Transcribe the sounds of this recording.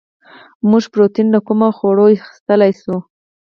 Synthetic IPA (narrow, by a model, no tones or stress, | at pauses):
muʒpɾot̪inləkumaxoɽojxɪ̥st̪əlajsu